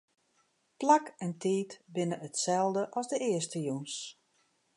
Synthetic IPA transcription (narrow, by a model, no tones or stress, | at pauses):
plakɛntiːtbɪnəətsɛlˠdəʔɔzdəɪəstəjuns